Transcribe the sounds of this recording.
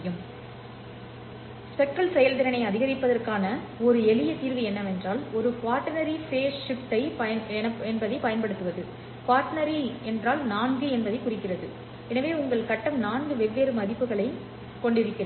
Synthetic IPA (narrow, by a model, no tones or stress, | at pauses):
jɯm | sɛʈːɐɭsɛjɐlt̪ɪɾɐnɐɪɐðɪɣɐɾɪpːɐðɐrkaːnɐ | ɔɾɯɛlɪjɐt̪iːɾʋɐɛnːɐmɛndraːlɔɾɯkaːɾʈːɐnɐɾifeːsːɪpt̪ːɐɪɐɛnɐɛnbɐðɐɪpɐjɐnpɐɽɯt̪ːɯʋɐðɯ | kaːɾʈnɐɾiɛndraːlnaːnɡɯɛnbɐðɐɪkʊrɪkːɪrɐðɯ | ɛnɐʋeːʊŋɡɐɭkɐʈːɐmnaːnɡɯʋɛʋːeːɾɯmɐðɪpːɯɣɐɭɐɪ | kːɔɳɖɪɾɯkːɪr